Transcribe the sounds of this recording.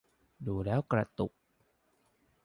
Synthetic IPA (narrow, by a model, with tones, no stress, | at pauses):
duː˧lɛː˦˥wkɾa˧t̪u˨˩k̚